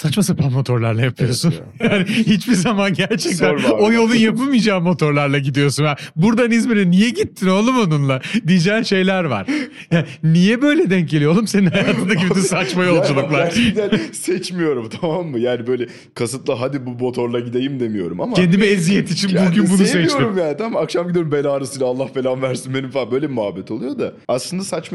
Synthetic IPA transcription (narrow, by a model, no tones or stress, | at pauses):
sat͡ʃmasapʰanmo̞t̪ʰo̞ɾlˠaɾlˠajapʰɯjo̞ɾsunjaːniɦit͡ʃbiɾzamanɟæɾt͡ʃʰɛc̚t̪æno̞jo̞lˠunjapɯlˠmijd͡ʒaːmːo̞t̪ʰo̞ɾlˠaɾlˠaɟid̪ijo̞sunjabuɾd̪anizmeɾinijɛɟit̪ʰːino̞lˠumonunlˠad̪id͡ʒɛːnʃe̞jlʲæɾva̰ɾ̥ | jaːnijɛbø̞jlʲɛd̪ɛɲɟelʲiolˠumseninajaːt̪ʰɯnd̪akibit̪ysat͡ʃmajo̞lˠd͡ʒulˠuklˠaɾænsɛt͡ʃmijo̞ɾumt̪ʰamamːɯjaːnibø̞jlʲɛ | kʰasɯt̪lˠaɦad̪ibumo̞t̪ʰo̞ɾlˠaɟid̪e̞jimd̪e̞mijo̞ɾṵmamaend̪imiezijɛt̪it͡ʃʰinbuɟybunusɛt͡ʃoɾumjaːnit̪ʰamakʃamɟid̪ijoɾumbelaːɾasɯjlaːlˠːahfelʲanvæɾsinbenimfbø̞jlʲeimuabːɛt̪ʰo̞lˠujo̞d̪a | aslˠɯnd̪asat͡ʃ